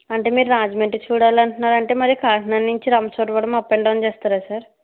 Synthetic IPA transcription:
ɐɳʈe̞ːmiːɾuɾaːd͡ʒmeɳʈit͡ʃuːɽaːlɐɳʈunːaːɾɐɳʈe̞ːmɐɾiɐkaːʈnanːiɲt͡ʃiɾɐmɐsoʈʋɐɽɐmɐpːeɳɖɐːɐnt͡ʃeːst̪aːɾaːsaːɾ

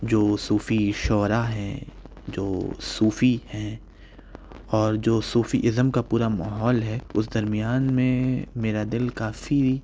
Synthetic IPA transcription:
d͡ʒoːsuːfiʃɔːɾaɦɛ̰̃ | d͡ʒoːsuːfihɛ̃ː | ɔːɾd͡ʒoːsuːfiʔɪzəmkapuːɾamaːɦɔːlɦɛʊsd̪ɐɾmɪjaːnmẽmeːɾad̪ɪlkaːfi

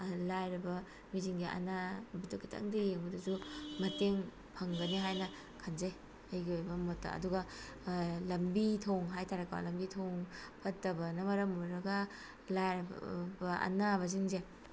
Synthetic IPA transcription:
lajɾɐbɐ | miziŋɡiʔɐ̰nabitokʰi̥tʰa̰ŋdɐjeŋbɐdɐsumɐteŋ | pʰɐŋɡɐniɦajnɐ | kʰanzaj | ajɡiojbɐmotːɐ̰ɐ̰duɡɐ | lɐmbitʰoŋɦajtʰaɾɐkːawa̰lɐmbitʰoŋpʰɐtːɐbɐnɐmɐɾɐmuɾɐɡɐ | lajɾbɐɐ̰nabɐziŋze

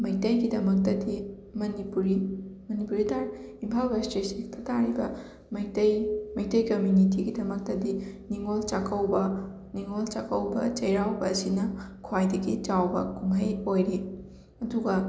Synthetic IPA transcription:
mɐjtɐjɡidɐmɐk̚tɐdi | mɐnipuɾimɐnipuɾidaɾimpʰawɾastɾesiktʰɐtʰaɾibɐ | mɐjtɐjmɐjtɐjkɐmjunit̬iɡidɐmɐk̚tɐdiniŋolt͡ʃakɐwbɐ | niŋolt͡ʃakɐwbɐ̰t͡ʃɐjɾawbɐːsinɐkʰwajdɐɡit͡ʃawbɐ̰kumɦɐjojɾi | ɐduɡɐ

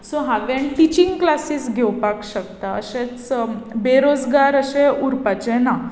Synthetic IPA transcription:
soɦaʋeɳʈit͡ɕĩŋɡklasiːsɡʱɛwpakɕək̚t̪aə̰ɕẽt͡sbeɾod͡zɡaɾəɕẽuɾpat͡ɕena

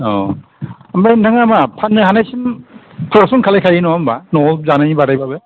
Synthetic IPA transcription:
ɔ | ambajntʰaŋamapʰanːɯɦanajsɯn | kʰɯɾasuŋkʰalajkʰajɯnɔambanɔzanajibaɾajbabɯ

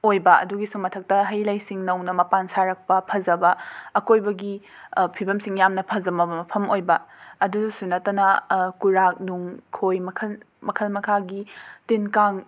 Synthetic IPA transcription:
ojbɐɐ̰duɡisumɐtʰɐk̚tɐɦɐjlɐjsiŋnɐwnɐmɐpansaɾɐk̚pɐpʰɐzɐbɐɐkojbɐɡi | pʰibɐmsiŋjamnɐpʰɐzɐmɐbɐmɐpʰɐmojbɐɐdudɐsunɐtɐnɐkuɾak̚nuŋkʰojmɐkʰɐl | mɐkʰɐlmɐkʰaɡitinkaŋ

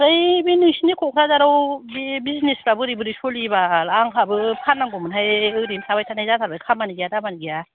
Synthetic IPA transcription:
ɾajbenɯsinikʰɔkʰɾazaɾawbebiznespɾabɯɾibɯɾisolibalaŋkʰabɯpʰanːaŋɡɔmɯnɦajɯɾimsʰabajtʰanajzatʰaɾbajkʰamaniɡijadamaniɡija

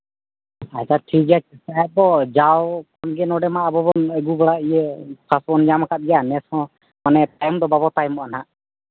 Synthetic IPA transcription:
at͡ʃaʈʰik̚ɡakisaɛt̪̚bɔd͡ʒawkʰɔnɡɛnɔɖɛmaʔabɔbɔnɛɡubɔɽaijɛpʰasbɔnd͡ʒamakʰat̪̚ɡɛjanɛsɔ̃ | manɛpajmd̪ɔbabɔt̪ajmɔanaʔ

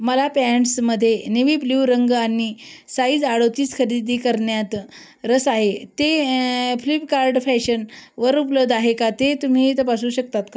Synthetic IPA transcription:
məlapɛɳʈsməd̪ʱːjeniʋiːbljuːɾəŋɡanisaiːd͡zaɽot̪iːskʰəɾid̪ʱiːkəɾɳjat̪ | ɾəsaɦet̪eflipkaɾɖfɛɕənʋəɾupləʋd̪ʱaɦekat̪et̪um̤iːt̪əpasuːɕəkt̪at̪ka

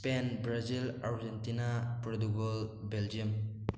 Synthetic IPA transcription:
spenbɾazilaɾd͡ʒentinapɾɔduɡɔlbeld͡ʒiəm

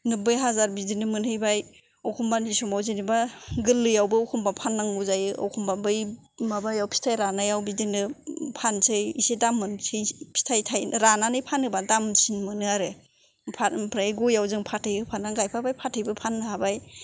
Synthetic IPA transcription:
nɯbɯjɦazaɾbidinɯmɯnhɯjbaj | ɔwkʰumbanisɔmawzinibaɡɯlːɯjawbɯɔwkʰumbapʰanːaŋuzajɔ̰wkʰumbabɯj | mabajawpʰi̥tʰajɾanajawbidinɯpʰansɯjisedamːɯnsʰejpʰi̥tʰajtʰajɾananɯjpʰanɯbadamsinmɯnɯaɾɯ | pʰapʰɾaɡɔjawzɯŋpʰatʰɯjɯpʰanaɡajpʰabajpʰatʰɯjbɯpʰanːɯɦabaj

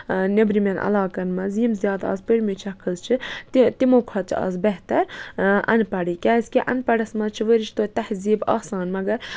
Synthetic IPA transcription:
nɐbɾimɐnʔɐ̰laːkɐnmɐzimzʲjaːd̪ɐ̰ːzpəɽmit͡ʃʰɐkʰɨzt͡ʃʰit̪t̪imoːkʰɐt͡ʃʰɐ̰zbɐɦt̪ɐɾɐ̰npɐɽikʲaːzʲkʲiʔɐ̰npɐɽɐsmɐt͡ʃʰiʋəɾit͡ʃʰt̪oːt̪ɐhziːbɐ̰ːsaːnmɐɡɐɾ

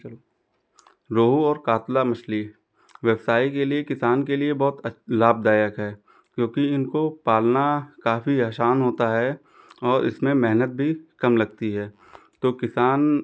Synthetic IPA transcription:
ɾoːɦuɔːɾkaːt̪lamɐʃli | ʋjəbsaːikeliekɪsaːnkeliebɔɦt̪laːb̚d̪aːjəkɦɛː | kjõːkiɪnkopaːlnakaːfiaːʃaːnɦoːt̪aɦɛ | ɔːɾɪ̰smẽmɛɦnət̪̚bʱikɐmlɐɡ̚t̪iɦɛː | t̪oːkɪsaːn

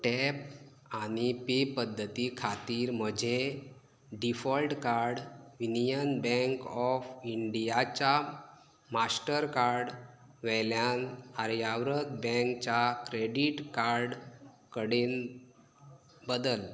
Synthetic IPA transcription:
ʈɛp̚ | añipepəd̪ʱːət̪ikʰat̪iːɾm̤əd͡ʑʱe | ɖifɔlʈkaɾɽʋinijənbɛ̃ŋkɔfiɳɖijat͡ɕa | masʈəɾkaɾɖ | ʋɛljanaɾjaʋɾət̪̚bɛ̃ŋkt͡ɕakɾeɖiʈkaɾɖ | kəɽen | bəd̪əl

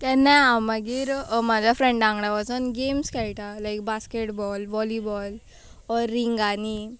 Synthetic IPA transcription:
kɛ̃nːajamaɡiːɾmad͡ʑʱafɾɛ̃ɳɖãŋɡɽaʋasənɡemskɛɭt̪alajk̚baskeʈbɔlʋɔlibɔl | ɔɾːiŋɡani

